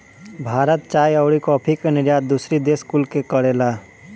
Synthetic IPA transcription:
bʱaɾət̪̚t͡ʃajəʊɽikoɔpʰikenɪɾjat̪̚d̪usɾid̪eskulkekəɽela

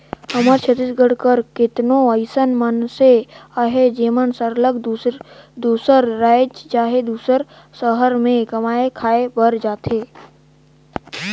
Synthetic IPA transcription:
həməɾt͡ʃʰət̪ɪsɡəɽkəɾkɪt̪nõəɪsənmənseaɦed͡ʒeːmənsəɾləɡd̪d̪uːsəɾɾaːɪd͡ʒt͡ʃaːɦed̪uːsəɾ | səɦəɾmẽkəmaːekʰaːebəɾd͡ʒaːt̪eː

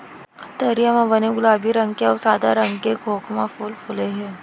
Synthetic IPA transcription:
t̪ɐɾijamãbɐneɡʊlaːbʱiɾɐ̃ŋɡkeɔːɾsaːd̪a̰ɾɐ̃ŋɡkeɡʰʱoːkmãfuːlfʰʊleɦɛː

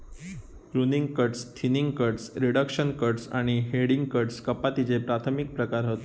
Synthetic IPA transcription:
ɾuniŋɡkəʈst̪ʰiniŋɡkəɾʈsɾiɽəkʂənkəʈsa̰ɽ̃iɦeɽiŋɡkəʈskəpat̪it͡sepɾat̪ʰəmik̚pɾəkaɾɦot̪o

